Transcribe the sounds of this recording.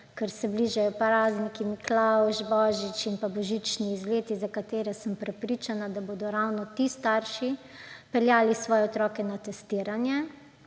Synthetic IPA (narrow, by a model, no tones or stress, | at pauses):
kɛɾsɛbliːʒajɔpɾaːznikiniklawʒbɔːʒit͡ʃinpabɔʒit͡ʃniːzleːt̪izakat̪eːɾɛsəmpɾɛpɾit͡ʃanad̪aboːd̪ɔɾawnɔt̪ist̪aɾʃi | pɛljaːlisʋɔːjɛɔt̪ɾɔːkɛnat̪ɛst̪iːɾanjɛ